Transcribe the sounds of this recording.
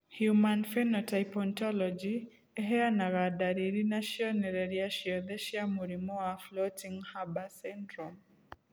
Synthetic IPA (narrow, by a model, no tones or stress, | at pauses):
hjumanfɛnɔtajpɔntɔlɔd͡ʒi | ɛɦɛanaɣadaɾiɾinaʃjɔnɛɾɛɾiaʃjɔd̪ɛʃjamuɾimɔaflɔtiŋhabasɛndɾɔm